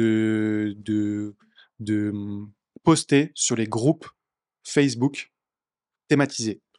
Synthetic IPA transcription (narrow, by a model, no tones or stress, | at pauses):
əd̪ə | d̪ə | pɔst̪esyʁleɡʁup | fɛs̬buk | t̪emat̪ize